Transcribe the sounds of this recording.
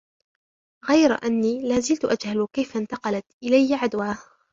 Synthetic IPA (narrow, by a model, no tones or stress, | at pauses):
ɣajɾʔanːiːlaːzɪlt̪ʊʔad͡ʒhalkajfɪnt̪ɑqɑlat̪ʔɪlajːaʕad̪waːh